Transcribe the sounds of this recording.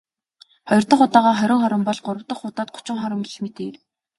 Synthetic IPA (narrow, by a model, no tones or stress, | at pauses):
χɔjɞ̆r̥t̪ə̆χʊt̪aːʁaːχœɾʲɪ̆ŋχɔɾə̆mpɔɮɢʊɾə̆wt̪ə̆χːʊt̪aːt̪̚ɢʊ̥t͡ɕɪ̆ŋχɔɾə̆mɡiɮmet̪eːr